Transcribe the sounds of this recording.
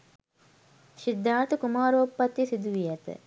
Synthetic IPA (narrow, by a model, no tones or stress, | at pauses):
sid̪ːaːt̪ukumaːɾuopːɐt̪ːjisid̪uʋijat̪ə̰